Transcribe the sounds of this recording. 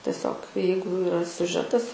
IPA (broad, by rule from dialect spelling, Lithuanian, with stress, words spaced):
tʲɛˈsʲoːk ˈjɛɪɡʊ ɪˈrɐ sʲʊˈʒʲæːtɐs